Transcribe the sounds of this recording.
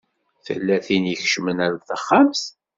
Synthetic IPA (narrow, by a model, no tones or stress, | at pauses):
θə̰lːæθinjəçʃmənæɾθəχːams